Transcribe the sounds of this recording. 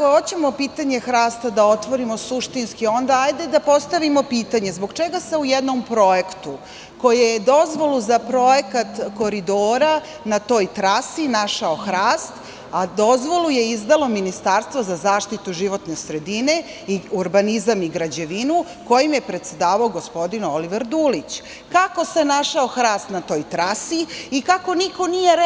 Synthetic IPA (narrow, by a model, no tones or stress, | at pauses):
koot͡ɕemo̞piːt̪aɲe̞xɾaːst̪ad̪ao̞t̪ʋo̞ɾimo̞suʃt̪inskio̞nd̪aajd̪e̞d̪apo̞st̪aʋimo̞piːt̪aɲe̞zbo̞ɡt͡ʃeɡaseujed̪no̞mpɾo̞jekt̪u | ko̞jejed̪o̞zʋo̞luzapɾo̞je̞kat̪ko̞ɾid̪oːɾa | nat̪o̞ːjt̪ɾasinaʃaoxɾaːst̪ | ad̪o̞zʋo̞luje̞izd̪alo̞minist̪aɾst̪ʋozazaːʃt̪it̪uʒiʋo̞t̪ne̞sɾe̞d̪ine̞ | iuɾbanizamiɡɾad͡ʑe̞ʋinu | ko̞jimje̞pɾe̞t̪se̞d̪aːʋaoɡo̞spo̞d̪inoliʋeɾd̪uːlit͡ɕ | kako̞se̞naʃaoxɾaːst̪nat̪o̞ːjt̪ɾasiikako̞niko̞nijeɾ